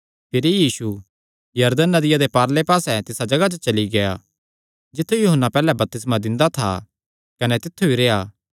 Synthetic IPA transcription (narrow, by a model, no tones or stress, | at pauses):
pʰɪɾijiːsu | jɐɾd̪ənːɐd̪ɪjad̪epaːɾlepaːsɛt̪ɪsad͡ʒɐɡat͡ʃət͡ʃɐliɡɐja | d͡ʒɪt̪ʰːujuɦənːapɛːlɛbɐp̚t̪ɪs̬mãd̪ɪ̃nd̪at̪ʰa̰ | kɐnɛt̪ɪt̪ʰːuiɾejaː